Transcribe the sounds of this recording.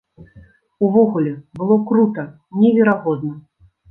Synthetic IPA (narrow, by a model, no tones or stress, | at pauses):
uvɔɣulʲɛbɨlˠɔkɾut̪ɐ | nʲɛvʲɛɾaɣɔd̪nɐ